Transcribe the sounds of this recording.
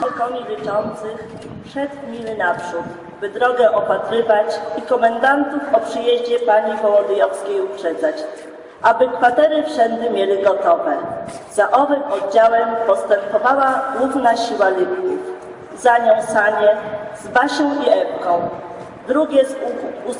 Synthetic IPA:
ɛkɔɲilʲit͡ʂɔnt̪sɘx | pʂɛt̪mʲilnapʂut̪ | bɘd̪ɾɔɡɛʔɔpat̪ɾɘvat͡ɕikɔmɛnd̪ant̪ufɔpʂɘjeʑd͡ʑɛpaɲivɔwɔd̪ɘjɔfskʲejupʂɛd̪zat͡ɕ | ʔabɘkfat̪ɛɾɘfʂɛnd̪ɘmʲjelʲɘɡɔt̪ɔvɛzaʔɔvɘmɔd̪̚d͡ʑawɛmpɔst̪ɛmpɔvawaɡwuvnaɕiwalʲibʲt̪uf | zaɲɔ̃w̃saɲɛzbaɕɔ̃w̃ʔiɛpkɔ̃w̃ | d̪ɾuɡʲɛzu

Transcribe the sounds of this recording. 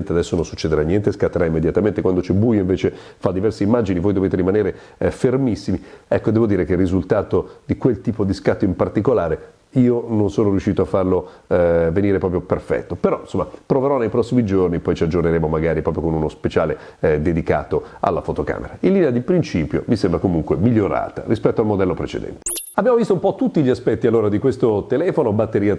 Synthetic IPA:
nt̪ead̪ɛsːononsut͡ʃːed̪eɾanːjɛnt̪eskat̪ːeɾaimːed̪jat̪ament̪ekwand̪ot͡ʃɛbuːjoĩɱveːt͡ʃe | fad̪ːivɛrseimːaːd͡ʒinivoːjd̪oveːt̪eɾimaneːɾefermisːimiɛkːod̪ɛːvod̪iːɾek̟erːizult̪aːt̪od̪̥ikwelt̪iːpod̪iskat̪ːoimpart̪ikolaːɾe | iːononsoːnoɾjuʃːiːt̪oafːarlo | veniːɾepɾɔːp̬ɾjoperfɛ̰t̪ːopeɾɔinsomːapɾoveɾɔnːejpɾɔsːimid͡ʒorniepːɔjt͡ʃiad͡ʒorneɾeːmomaɡaːɾipɾɔːpɾjokonunospet͡ʃaːle | d̪ed̪ika̰ːt̪oa̰lːa̰fot̪oka̰ːmḛɾailːinead̪ipɾint͡ʃiːpjo̰misembɾakomuŋkwemiʎːoɾa̰ːt̪a̰ɾispɛt̪ːoalmod̪ɛlːopɾet͡ʃḛd̪ɛ̰nt̪e̥abjamovist̪oumpɔt̪ːut̪ːiʎiaspɛt̪ːialːoːɾad̪ikwest̪ot̪elɛːfonobat̪ːeɾiːa

